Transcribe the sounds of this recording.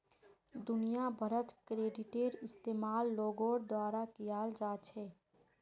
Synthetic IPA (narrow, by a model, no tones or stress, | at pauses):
d̪ʊnijabʱəɾət̪kɾeːɖɪʈeːɾɪst̪eːmaːlːoːɡoːɾd̪waːɾakijaːld͡ʒaːt͡ʃʰɛː